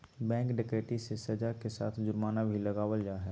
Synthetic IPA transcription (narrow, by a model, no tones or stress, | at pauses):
bɛ̃ːŋkɖɪkɾeːʈisesɐd͡ʒakesaːt̪ʰd͡ʒʊɾmaːnabʱilɐɡaːwəld͡ʒaːɦɛː